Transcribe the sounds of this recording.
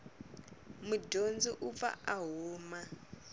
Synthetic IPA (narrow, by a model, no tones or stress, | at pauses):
mudond͡ziʔufa̰aɦuːma